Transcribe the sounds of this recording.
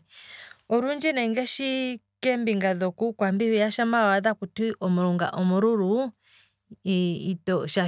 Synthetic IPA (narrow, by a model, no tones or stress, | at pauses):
ɔɾund͡ʒɛnɛŋɡɛʃi | kɛmbiŋɡaðɔkukwambihijaʃamawaðakutiʔɔmuɾuŋɡa̰ʔɔmuɾuɾu | itɔʃa